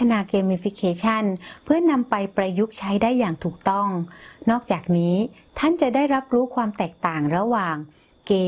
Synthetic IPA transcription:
t̪ʰa˧naː˧keː˧mi˧fi˦˥kʰeː˧t͡ɕʰa˥˩npʰɯ˥˩ɐna˧mpa˧jpɾa˧ju˦˥k̚t͡ɕʰa˦˥jdaː˥˩jːaː˨˩ŋt̪ʰuː˨˩k̚t̪ɔ˥˩ŋnɔː˥˩k̚t͡ɕaː˨˩k̚niː˦˥t̪ʰa˥˩nt͡ɕa˨˩daː˥˩jɾa˦˥p̚ɾuː˦˥kʰwaː˧mt̪ɛː˨˩k̚t̪aː˨˩ŋɾa˧waː˨˩ŋ | keː˧

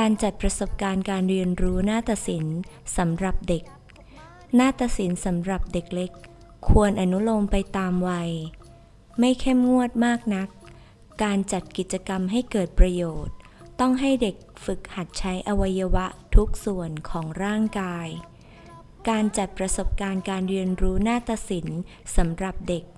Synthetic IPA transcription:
kaː˧nt͡ɕa˨˩t̪̚pɾa˧so˨˩p̚kaː˧nkaː˧nɾi˧ənɾuː˦˥naː˥˩t̪a˨˩si˩˦nsa˩˦mɾa˨˩p̚de˨˩k̚ | naː˥˩t̪a˧t̚si˩˦nsa˩˦mɾa˨˩p̚de˨˩k̚le˦˥kʰː | u˧ənʔa˧nu˦˥lo˧mpa˧jt̪aː˧mwa˧j | ma˥˩jkʰe˥˩mŋu˥˩ət̪̚maː˥˩k̚na˦˥kː | aː˧nt͡ɕa˨˩t̪̚ki˨˩t̪̚t͡ɕa˧ka˧mɦa˥˩jkɤː˨˩t̪̚pɾa˧joː˨˩t̪̚ː | ɔ˥˩ŋɦa˥˩jde˨˩k̚fɯ˨˩k̚ha˨˩t̪̚t͡ɕʰa˦˥jʔa˧wa˧jːa˧wa˦˥ʔt̪ʰu˦˥k̚su˨˩ənkʰɔː˩˦ŋɾaː˥˩ŋkaː˧j | kaː˧nt͡ɕa˨˩t̪̚pɾa˧so˨˩p̚kaː˧nkaː˧nɾi˧ənɾuː˦˥naː˥˩t̪a˧si˩˦n | sa˩˦mɾa˨˩p̚de˨˩k̚

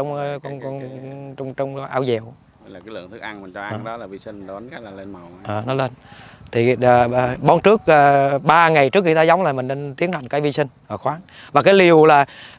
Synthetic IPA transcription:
ɔ˧wŋ͡mkɔ˧nkɔ˧nɔ˧wŋ͡mt͡ɕɔ˧wŋ͡mʔaː˧wzɛ˨˩wʔlaː˨˩aː˨˦jlɨ̰˧˨əŋt̪ʰɨ˦˥k̚ʔa˧ŋmi˨˩t͡ɕɔ˧ʔʔːɗɔ˨˦laː˨˩vi˧si˧ŋ˨˩˨a˨˦nkaː˦laː˨˩le˧na˨˩wʔəː˨˩nɔ˨˦le˧nt̪ʰi˨˩əː˨˩˨ɓɔ˨˦nt͡ɕɨ˦˥ək̚ʔəː˨˩ɓaː˧ŋa˨˩jt͡ɕɨ˦˥əkxi˧t̪aː˧za˨˦wŋ͡mlaː˨˩mï˨˩ŋ̟ne˧nt̪i˨˦ənha˨˩jŋ̟kaː˨˦jvi˧sï˧ŋ̟ʔəː˧˩xwaː˨˦ŋvaː˨˩kaː˨˦jli˨˩əwlaː˨˩

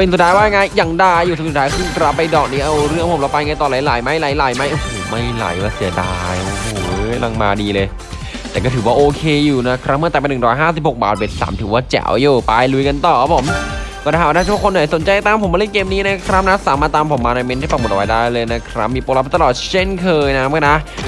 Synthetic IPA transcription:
pe˧nsu˨t̪̚ʰːaː˦˥jwaː˥˩ja˧˩ŋaː˧jːa˨ŋdaː˧jːuː˨˩ɯ˨˦˥su˨˩t̪̚ʰːaː˦˥kʰɯ˧˥˩ŋkɾa˨˦˩pːa˧jdɔː˨˩k̚niː˦˥ʔa˧wɾɯ˥˩ŋpʰo˩˦mla˦˥wpaː˧jŋaː˧jt̪ɔː˨˩la˨˦jlaː˨˦jma˦˥jla˨˦jla˨˩˦jma˦˥jʔo˧˩hoː˨˩˦ma˥˩jla̰˨˩˦jwaː˦˧˩si˨˩˦ɐdaː˧jʔo˧hoː˨˩˦la˧˩ŋmaː˧diː˧lɤː˧j | t̪ɛː˨˩kɔː˥˩t̪ʰɯ˩˦waː˥˩ʔoː˧kʰeː˧juː˨˩na˦˥kʰɾa˦˥mɯ˥˩t̪ɛː˨˩pa˧nɯ˨˩ɾɔː˦jɦaː˥˩s̬i˨˩p̚ho˨˩k̚baː˨˩t̪̚we˨˧˩nsa̰ː˩˦mt̪ʰːwaː˥˩t͡ɕɛ̰˨˩˦wjuː˨˩pa˧jlu˧jka˧nt̪ɔː˨˩kʰa˦˥pʰo˨˩˦m | kɔː˥˩da˦˧˩a˥˩a˥˩sʰɔ˥˩kʰna˨˩˦jso˩˦nt͡ɕa˧jt̪a˧˩t̪aː˧mʰpo˨˦mːbɾɯ˥˩keː˧mniː˦˥na˦˥kʰɾa˦˥p̚na˦˥saː˨˦maː˧˩t̪aː˧mpʰo˨˩˦mːaː˧na˧jme˦˥nt̪ʰaː˥˩pa˧˩mo˨˩ʔwa˦jdaː˥˩jlɤː˧jna˦˥kʰɾa˦˥p̚miː˧poː˧la˧˦pʰe˥˩t̪a˧lɔː˨˩t̪̚t͡ɕʰe˥˩nkʰɤː˧jna˦˥ma˥˧˩na˦˥

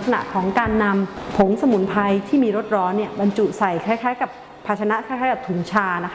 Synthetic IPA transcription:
k̚sa˧na̰˨˩ʔkʰɔː˩˦ŋkaː˧nːa˧mpʰo˩˦ŋsa˧mu˨˩˦npʰa˧jt̪ʰiː˥˩miː˧ɾo˦˥t̪̚ɾɔː˦˥nːi˥˩ɐba˧nt͡ɕu˨˩sa˨˩jkʰa˥˩jkʰaː˦˥jka˨˩p̚ʰːaː˧˩t͡ɕʰa˧na˦˥kʰa˥˩kʰaː˦˥jka˨˩t̪ʰuː˩˦ŋt͡ɕʰaː˧na˦˥k

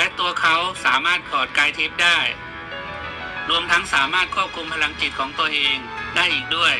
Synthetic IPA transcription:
lɛ˦˥t̪u˧ɐkʰa˦˥wsaː˩˦maː˥˩t̪̚kʰɔː˨˩t̪̚kaː˧jt̪ʰi˦˥p̚daː˥˩j | ɾu˧əmt̪ʰa˦˥ŋsaː˩˦maː˥˩t̪̚kʰu˥˩p̚kʰu˧mpʰa˧la˧ŋki˨˩t̪̚kʰɔː˩˦ŋt̪u˧ɐʔeː˧ŋdaː˥˩jʔiː˨˩k̚du˥˩əj

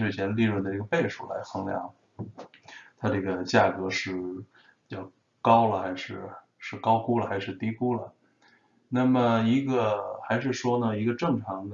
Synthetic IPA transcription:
ɻ̩˥˩t͡ɕʰjɛ˧˥nli˥˧ɻwə˥˩nd̪ə˩ʈ͡ʂɡə˧pe˥˧ɪʂu˥˩la̰˧˥ɪxɤ˧˥ŋljɑ̰˧˥˦ŋ | t̪ʰa˥ʈ͡ʂɤ˥˩ɡə˩t͡ɕja˥˩kɤ˧˥ʂɻ̩˥˩ | pi˧˩t͡ɕjɑ˥˩ʊ | kɑ˥ʊlə˨xa˧˥ɪʂɻ̩˥˩ | ʂɻ̩˥˩kɑ˥ʊku˥lə˨xa˥ʂɻ̩˥˩t̪i˧˥ku˥lə˨˩ | na˥˩mə˩i˧˥ɡə˧xa˧˥ɪʂɻ̩˥˩ʂwɔ˥nə˨i˧˥ɡə˧ʈ͡ʂɤ˥˩ŋʈ͡ʂʰɑ˧˥ŋd̪

